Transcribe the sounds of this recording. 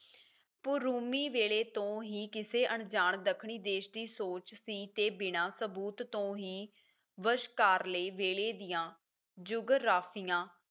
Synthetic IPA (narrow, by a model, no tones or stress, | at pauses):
pʊɾuːmiːʋeːɭeːt̪õːɦiːkɪseːʔəɳd͡ʒaːɳd̪əkʰɳiːd̪eːʃd̪iːsoːt͡ʃsiːt̪eːbɪnãːsəbuːt̪ːõːɦiː | ʋəʃkaːɾleːʋeːɭeːd̪ɪjãː | d͡ʒʊɡɾaːpʰɪjãː